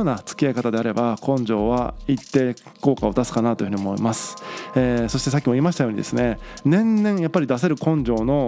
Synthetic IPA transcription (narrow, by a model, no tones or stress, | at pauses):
onat͡sɨ̥kʲiaikat̪ad̪eaɾe̞bakõ̞ɲd͡ʑo̞ːβa̰it̪ːe̞ | ko̞ːkao̞t̪asɨ̥kanat̪o̞jiɯ̟ɲiomoḭmasɨ̥eːso̞ɕi̥t̪e̞s̬akʲimo̞iːmaɕi̥t̪ajoːɲid̪e̞sɨne̞ | nẽ̞nːẽ̞ɰ̃japːaɾʲid̪as̬e̞ɾɯ̟kõ̞ɲd͡ʑo̞ːno̞